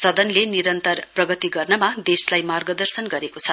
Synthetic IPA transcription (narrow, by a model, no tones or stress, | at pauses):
sʌd̪ʌnleniɾʌnt̪ʌrprʌɡʌt̪iɡʌrnʌmad̪eslajmarɡʌd̪ʌrsʌnɡʌɾekot͡sʰʌ